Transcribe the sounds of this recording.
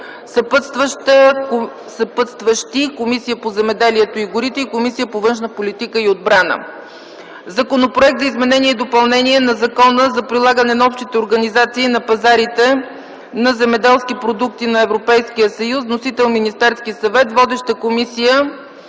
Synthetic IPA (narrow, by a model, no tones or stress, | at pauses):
sɐpət̪st̪vəʃt̪ə | sɐpət̪st̪vəʃt̪ikomisijəpozɛmɛd̪ɛliɛt̪oiɡʊɾit̪ɛikomisijəpovɤnʃnəpolit̪ikəiod̪̚bɾanə̰ | zɐkonopɾoɛk̚t̪zəizmɛnɛniɛid̪opɐlˠnɛniɛnɐzɐkɔnəzɐpɾilˠaɡənɛnɐɔpʃt̪it̪ɛoɾɡɐnizat̪siːnɐpɐzaɾit̪ɛ | nɐzɛmɛd̪ɛlˠsk̟ipɾod̪uk̚t̪inɐɛvɾopɛjsk̟ijəsɐjusnosit̪ɛlˠminist̪ɛɾskisɐvɛt̪vɔd̪ɛʃt̪əkomisijə